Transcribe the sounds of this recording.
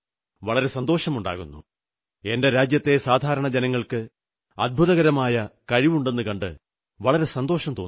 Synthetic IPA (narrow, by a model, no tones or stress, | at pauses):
ʋɐɭɐɾe̞sɐnd̪o̞ːʂɐmuɳɖa̰ːɣṵnːṵ | e̞nde̞ɾaːd͡ʑjɐt̪ːe̞saːd̪ʱaːɾɐɳɐd͡ʑenɐŋːɐɭkɨ | ɐd̪̚bʱuðɐɣɐɾɐmaːjɐkɐɻiʋuɳɖe̞nːɨkɐɳɖɨ | ʋɐɭɐɾe̞sɐnd̪o̞ːʂɐmt̪oː